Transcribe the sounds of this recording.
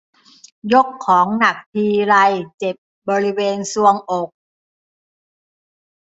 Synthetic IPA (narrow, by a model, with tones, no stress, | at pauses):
jo˦˥kʰːɔː˩˦ŋna˨˩k̚t̪ʰiː˧ɾa˧jt͡ɕe˨˩p̚bɔː˧ɾi˦˥weː˧nsu˧əŋʔo˨˩k̚